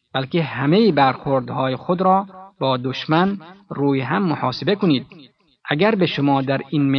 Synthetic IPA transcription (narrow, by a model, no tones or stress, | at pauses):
b̥ælkehæmejibæɾxoɾd̪hɒːjexod̪ɾɒːbɒːd̪oʃmænɾuːjeɦæmːohɑːsebekoniːd̪ | ʔæɡæɾbeʃomɒːd̪æɾinme